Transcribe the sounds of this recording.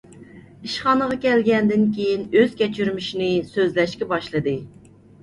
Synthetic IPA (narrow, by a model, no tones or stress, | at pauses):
iʃχɑnəʁɑkʲɛlɡʲɛnd̪ɪnkʲejinøz̥kʲʰɛt͡ʃʰyɾmyʃinɪsøzlɛʃkʲɛbɑʃlˠɨd̪ɨ